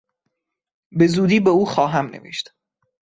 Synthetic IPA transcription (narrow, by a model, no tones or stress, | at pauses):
be̞zuːd̪iːbeuːxɒːɦæmnevḛʃt̪